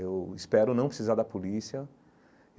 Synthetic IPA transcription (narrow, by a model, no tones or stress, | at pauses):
ewispɛɾʊnɐ̃w̃pɾɪsizaɾd̪ɐpolisiɐ